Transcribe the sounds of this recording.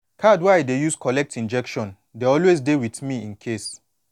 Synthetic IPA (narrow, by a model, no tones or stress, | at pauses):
kʰadwaɪdejuskʰɔlɛk̚tʰĩnd͡ʒɛkʃɔ̃n | deɔlwezdewiθmiĩnkʰes